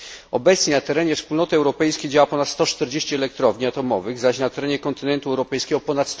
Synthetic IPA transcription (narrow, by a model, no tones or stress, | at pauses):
ɔbɛt̪sɲɛnat̪ɛɾɛɲɛfspulnɔt̪ɘɛwɾɔpɛjskʲejd͡ʑawapɔnat̪st̪ɔt͡ʂt̪ɛɾd͡ʑeɕt͡ɕɛɛlɛk̚t̪ɾɔvɲiat̪ɔmɔvɘɣzaɕnat̪ɛɾɛɲɛkɔnt̪ɘnɛnt̪uɛwɾɔpɛjskʲɛɡɔpɔnat̪st̪